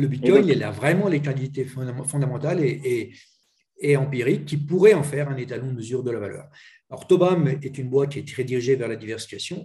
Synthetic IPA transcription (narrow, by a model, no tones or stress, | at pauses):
ləbit̪kɔjɛla̰vʁɛmɑ̃lekɑ̃t̪it̪effɔ̃d̪amɑ̃t̪alee | eɑ̃piʁikʲːipuʁɛɑ̃fɛʁɛ̃net̪alɔ̃d̪əməzyʁd̪əlavalœ̰ːʁ | aɔ̰ʁt̪ɔbamɛt̪ynbwat̪̚kʲiɛt̪ʁed̪iʁiʒevɛʁlad̪ivɛʁsi̥fkasjɔ̃